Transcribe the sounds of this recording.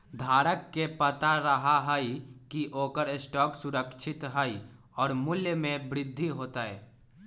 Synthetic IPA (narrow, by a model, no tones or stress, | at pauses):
d̪ʱaːɾəkːepət̪aɾəɦaɦəikiʔoːkəɾsʈɔːksʊɾəkʃʰɪt̪ɦəi | ɔːɾmʊljəmẽbɾɪd̪ʱːiɦoːt̪aɦɛː